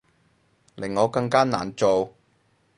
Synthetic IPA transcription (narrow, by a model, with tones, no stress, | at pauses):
lɪ˨˩ŋːɔː˨˧kɐ˧ŋkaː˥na̰ː˨˩nt͡so˨w